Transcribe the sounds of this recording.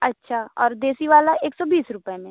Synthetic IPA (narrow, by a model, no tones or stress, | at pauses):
ɐtːʃʰaɔːɾd̪eːsiʋaːlaeːksɔbiːsɾʊpemẽ